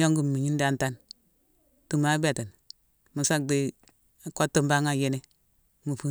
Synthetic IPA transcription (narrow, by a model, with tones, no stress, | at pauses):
jo˦ŋɡu˨m˨mi˨ɲi˦n˦da˨nta˦n | tu˨ma˦be˨te˨n | mu˨sa˦k̚di˦˨ | ko˦tːə˦mba˦ŋa˦˨je˦ne˦ | mu˨fu˦